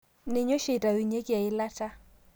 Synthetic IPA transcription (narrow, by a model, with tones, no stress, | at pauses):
nɪ˨ɲo˦ʃe˨ta˨wi˨ɲe˦kja˨ɪ˦la˦ta˦